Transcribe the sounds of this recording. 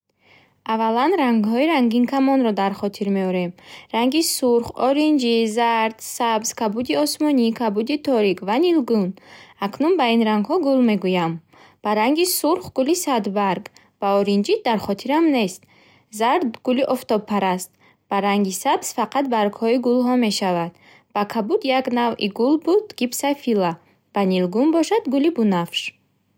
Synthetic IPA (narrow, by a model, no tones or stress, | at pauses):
avalanɾaŋɡhɔiɾaŋɡinkʰamɔnɾɔd̪aɾχɔt̪ʰiɾme̞ɔɾe̞mɾaŋɡisuɾχɔɾind͡ʒizaɾd̪̥sabz̥kʰabud̪iɔsmɔnikʰabud̪it̪ʰɔɾikvanilɡunaknunbainɾaŋɡhɔɡulme̞ɡujam | b̥aɾaŋɡisuɾχɡulisad̪baɾɡ | b̥aɔɾind͡ʒit̪̚d̪aɾχɔt̪ʰiɾamne̞st̪ | zaɾd̪ɡuliʔɔft̪ɔbpʰːaɾast̪ | b̥aɾaŋɡisabsfaqat̪̚baɾɡhɔiɡulɦɔme̞ʃavad̪ | b̥akʰabud̪jaɡnaviɡulbud̪ɡ̥ibsafila | b̥anilɡunbɔʃad̪ɡulibunafʃ